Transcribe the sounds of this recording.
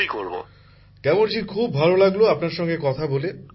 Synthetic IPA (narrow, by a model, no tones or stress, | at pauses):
ikoɾbo̰ | kɛmont͡ɕikʰubbʱalolaɡloapnaɾʃɔŋɡekɔt̪ʰabole